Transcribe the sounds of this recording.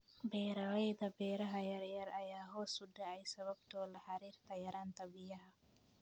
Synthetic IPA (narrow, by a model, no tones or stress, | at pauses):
bɛːɾɐwɛjd̪ɐbɛːɾɐɦɐjɐɾjɐɾɐjaːɦɔːsʊɖɐɛjsɐβɐbt̪ʰɔːlɐħaɾiːɾt̪ʰɐjɐɾaːnt̪ʰɐbɪjɐɦɐ